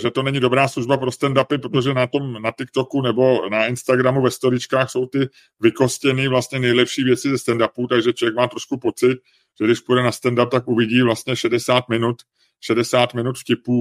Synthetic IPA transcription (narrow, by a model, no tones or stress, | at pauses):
ʒɛt̪o̞nɛɲɪdo̞bɾaːsluʒbapɾo̞st̪ɛndapɪpɾot̪o̞ʒɛnat̪o̞mnat̪ɪkt̪o̞kunɛbo̞naɪnst̪aɡɾamuvɛst̪o̞ɾɪt͡ʃkaːxso̞wt̪ɪ | vɪko̞scɛniːvlast̪ɲɛnɛjlɛpʃiːvjɛt͡sɪzɛst̪ɛndapuːt̪aɡʒɛt͡ʃovjɛk̚maːt̪ɾo̞ʃkupo̞t͡sɪt̪̚ | ʒ̥ɛɡdɪʃpujdɛnast̪ɛndap̚t̪akʔuvɪɟiːvlast̪ɲɛʃɛdɛsaːt̪mɪnut̪ | ʃɛdɛsaːt̪mɪnut̪fcɪpuː